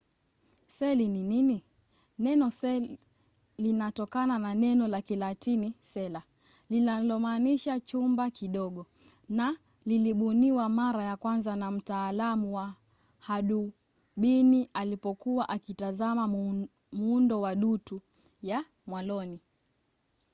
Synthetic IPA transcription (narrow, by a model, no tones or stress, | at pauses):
sɛlininini | nɛnɔsɛ | linatɔkanananɛnɔlakilatinisɛla | linalɔmaːniʃat͡ʃumbakiɗɔɠɔ | na | liliɓuniwamaɾajakwanzanam̩taːlamuwa | haɗu | ɓinialipɔkuwaʔakitazama | muundɔwaɗutu | ja | mwalɔni